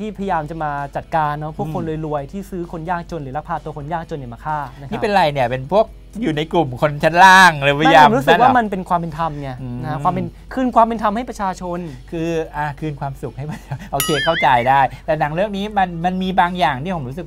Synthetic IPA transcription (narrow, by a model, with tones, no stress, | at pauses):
t̪ʰiː˥˩pʰa˧ja˧jaː˧mt͡ɕa˨˩maː˧t͡ɕa˨˩t̪̚kaː˧nːɔ˦˥pʰu˥˩əkʰːo˧nlo˧jlu˧əjt̪ʰiː˥˩sɯː˦˥kʰo˧njaː˥˩k̚t͡ɕo˧nɾɯː˩˦la˦˥k̚pʰaː˧˩t̪ːu˧kʰo˧njaː˥˩k̚t͡ɕo˧nːi˨˩maː˧kʰaː˥˩na˦˥niː˦˥˦pe˧nɾa˧jni˥˩ɐpe˧npʰu˥˩ək̚ | juː˨˩na˧jklu˨˩mkʰo˧nt͡ɕʰa˦˥nlaː˥˩ŋlɤː˨˧˦pʰa˧˥jaaːo˧˦ɾu˦˥sɯ˨˦˥kwaː˥˧˦ma˧np̬e˧nkʰwaː˧mpe˧nt̪ʰa˧mnɛ˧˥˩na˦kwaː˧mpe˧n | kʰɯː˧nkwaː˧mpe˧nt̪ʰa˧mha˥˩jpɾa˧t͡ɕʰaː˧t͡ɕʰo˧nkʰɯː˧ʔaː˨˧˩kʰɯː˧nkʰwaː˧msu˨˩k̚ha˥˩jma˧˩nt͡ɕʔa˧wkʰeː˧kʰa˥˩wt͡ɕa˧jdaː˥˩jt̪ɛː˨˩na˩˦ŋlɯ˥˩ək̚niː˦˥ma˧nma˧nmiː˧baː˧ŋjaː˨˩ŋt̪ʰi˥˩pʰo˩˦ɾuː˦˥sɯ˨˩k̚